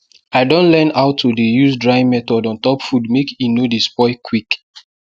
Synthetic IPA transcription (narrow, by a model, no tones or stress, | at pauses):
aɪdõnlɛ̃naʊtʰudijusdɹaɪ̃mɛtɔdɔ̃ntɔpfudmekinodispɔɪkʰwik